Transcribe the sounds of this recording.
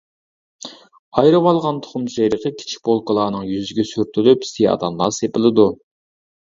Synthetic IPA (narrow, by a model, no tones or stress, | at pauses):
ɑjɾɨwɑlˠʁɑnt̪ʰʊ̥χʊmʃejɾəqəkʲʰi̥t͡ʃʰi̥k̚ʲbolˠkəlˠɑːnɨŋjyzɪɡʲɛsyɾt̪ʰylypst̪ijɑ̰d̪ɑmlˠɑsepɪlˠɨd̪u